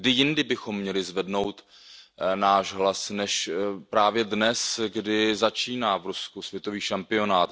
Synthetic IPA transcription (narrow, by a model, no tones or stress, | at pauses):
ɡdɪjɪndɪbɪxo̞mːɲɛlɪzvɛdno̞wt̪ | naːʒɦlasnɛʃpɾaːvjɛdnɛsɡdɪzat͡ʃiːnaːvɾuskusvjɛt̪o̞viːʃampɪo̞naːt̪